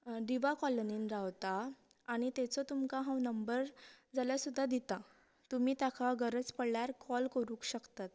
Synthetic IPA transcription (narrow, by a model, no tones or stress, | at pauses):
ɖiʋakɔləniːnɾaʋt̪aː | ɽ̃it̪ɛt͡sɔt̪umkaɦãwnəmbəɾd͡zaljasud̪ʱːad̪it̪a | t̪um̤iːt̪jakʰaɡəɾəd͡zpəɽɭjaɾkʰɔlkəɾũːkɕəkt̪at̪